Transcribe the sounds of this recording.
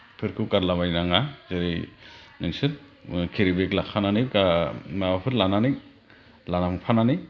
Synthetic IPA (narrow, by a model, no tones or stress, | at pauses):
pʰɯɾkʰɯwkaɾlamajnaŋazeɾijnɯŋsɯt | kʰeɾibeklakʰananɯkamaapʰɯɾlananik | lanamɯpʰanani